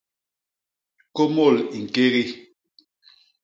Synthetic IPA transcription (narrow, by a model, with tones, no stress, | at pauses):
ko˦mo˦˨li˨ŋ̩˨ke˦ɣi˦